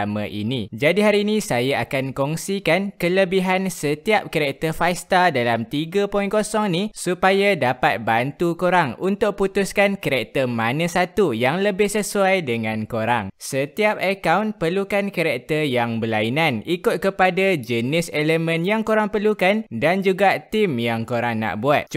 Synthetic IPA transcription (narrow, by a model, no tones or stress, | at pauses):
mã̰ʔḭnĩd͡ʒadiɦaɾinĩsajaakankɔŋsikankələbiɦansət̪iap̚kəɾɛk̚t̪əfajst̪adalamt̪iɡapɔinkosɔŋnisupajadapat̪̚bant̪ukuɾaŋunt̪ʊʔ̚put̪ʊskankəɾɛk̚t̪əmanãsat̪ujaŋləbɪhsəsuajdəŋãnkoɾa̰ŋsət̪iap̚əkawnpərlukankəɾɛk̚t̪ərjaŋbəlainãnikʊt̪̚kəpadad͡ʒənɪseləmə̃njaŋkuɾaŋpərlukandand͡ʒuɡat̪imjaŋkoɾaŋna̰ʔbuat̪̚